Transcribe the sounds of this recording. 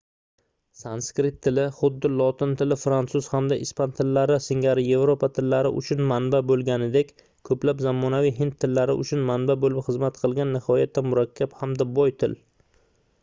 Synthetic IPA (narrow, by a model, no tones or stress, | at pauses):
sanskɾɪt̪ʰːɪlɪχʊd̪ːɪlˠɒt̪ɪnt̪ʰɪlɪfɾant̪sʊz̥hamd̪aʔɪspant̪ʰɪlːaɾɪsɪŋɡʲaɾɪje̞vɾopat̪ʰɪlːaɾɪ̰ʔʊ̰t͡ʃʰʊnmanbabolˠɡʲanɪd̪ekʲ | kʰɵplapzamːɒnavijɦɪnt̪ʰːɪlːaɾɪ̰ʔʊ̰t͡ʃʰʊnmanbabolɪpχɨzmat̪qʰɨlˠɡʲanːɪhɒjat̪ʰːanmʊɾakʲʰːaphamd̪abɒjt̪ʰɪ̰l